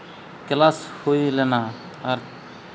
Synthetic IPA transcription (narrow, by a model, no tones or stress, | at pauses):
klaːshoilena | ɔɾ